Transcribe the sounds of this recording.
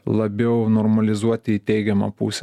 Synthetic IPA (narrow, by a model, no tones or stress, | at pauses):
lˠɐbʲɛʊnoːɾmɐlʲɪzuɔt̪ʲɪit̪ʲɛɪɡʲɛmɐ̰pṵːsʲɛ